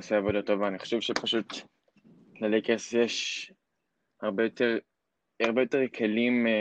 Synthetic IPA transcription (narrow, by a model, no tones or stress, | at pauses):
seavod̪atovaːniχo̥ʃɛvʃepaʃut̪ | lalekesjeʃ | haʁbejot̪eʁ | aʁbejo̞teʁkʰelim